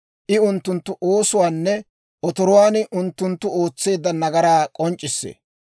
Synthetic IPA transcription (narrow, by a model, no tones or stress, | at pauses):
ʔɪʊnt̪ːʊnt̪ːʊʔoːsʊwaːnːɛ | ʔɔt̪ɔɾʊwaːnʔʊnt̪ːʊnt̪ːʊo̞ːt͡sːe̞ːd̪ːɐnɐɡɐɾaːkʼɔnt͡ʃʼːɪsːḛː